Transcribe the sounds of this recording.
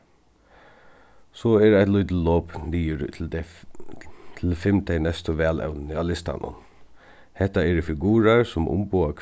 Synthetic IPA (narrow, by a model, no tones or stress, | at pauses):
sɔɛɹaɪt̪lʊt̪loːpniːəɾ̰ | t̪ʰɪlfɪmt̪ʰɛnɛst̪əʋɛːlɛ̰ʊnnəaːlɪst̪a̰nʊ̰n | hɛht̪aɛɾfɪɡuːɾaɹsʊmʔʊ̰mbuakʰ